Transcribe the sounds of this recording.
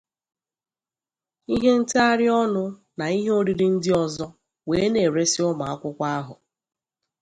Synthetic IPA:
i˦ɦe˦n̩˦ta˦ɾɪ˦ɔ˦nʊ˦ | na˨i˦ɦe˦o˦ɾi˦ɾi˦n̩˦dɪ˦ɔ˦zɔ˦ | weː˨˦ne˨ɾe˦sɪ˦ʊ˦ma˨a˦kʷʊ˦kʷa˦a˦ɦʊ̰˨

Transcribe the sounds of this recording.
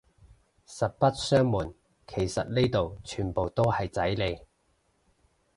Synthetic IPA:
sɐ˨˩t̚pɐ˥t̚sœː˥ŋmuː˨˩n | kʰe˨˩jsɐ̰˨t̚ne˥jt̪o˨wt͡ʃʰyː˨˩npo˨wt̪o˥whɐ˨jt͡sɐ˨˥jle˨˧j

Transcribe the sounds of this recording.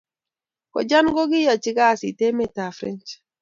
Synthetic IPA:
kɔ̰˨d͡ʒa˦nɡo˦ɡɪ˦ja˨t͡ʃɪ˦ɡa˦˨si˨te˦mɛ˦˨ta˨fɾɛ̰˦nt͡ʃ

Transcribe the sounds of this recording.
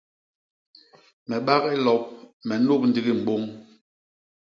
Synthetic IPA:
mɛ˨ɓa˦ɣi˦lɔ˨p̚mɛ˨no˦˨p̚n̩˦di˦ɣi˦m̩˨ɓo˦ŋ

